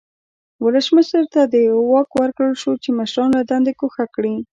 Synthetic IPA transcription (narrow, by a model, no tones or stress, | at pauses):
wələsməʃəɾt̪ad̪əjwawɑkwəɾkɽəlʃot͡ʃemaʃɾɑnlad̪and̪ekoxakɽi